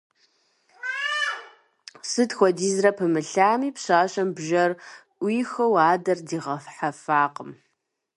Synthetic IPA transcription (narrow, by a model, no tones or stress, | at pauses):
sɨtxʷɔdiːzrɐpʰɨmɨɬaːmiːpɕaːɕʼɐmbʒɐrʔʷiːxɐwaːdɐrdiːʁɐfħafaːqəm